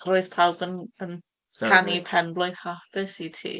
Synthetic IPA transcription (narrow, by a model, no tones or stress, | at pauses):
roɨðpʰalˠbənən | kʰanipʰɛnblˠʊɨðhɔfɪsitʰḭː